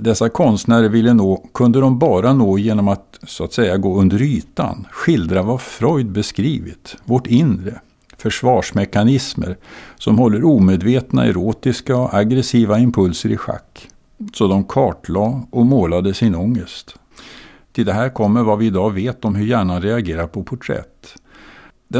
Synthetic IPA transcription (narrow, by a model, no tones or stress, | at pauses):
d̪ɛsːakʰɔnst̪næːɾəɾvɪlːənoːkʰɵnd̪əd̪ɔmbɑːɾanoːjeːnɔmat̪sʊat̪sɛjːaɡoːɵnd̪əɾyːt̪a̰nɧɪld̪ɾavafɾɔjd̪̚bɛskɾiːvɪ̰t̪vɔʈɪnɾə | fœʂvɑːʂmɛkanɪsmə̰ɾsɔmhɔlːəɾuːmeːd̪veːt̪na̰ɛ̰ɾoːt̪ɪskaɔʔaɡɾɛsiːvaɪmpʰɵlsəɾɪ̰ɧa̰kː | sɔd̪ɔmkʰɑːʈlɑːʔɔmoːlad̪əsɪnɔŋːəst̪ | t̪ʰɪld̪ɛɦæːɾkʰɔmːəɾvavɪːd̪ɑːveːt̪ɔmɦɵɾjæːɳanɾɛaɡeːɾapʰɔpʰʊʈʰɾɛ̰t̪ː | d̪̥ɛ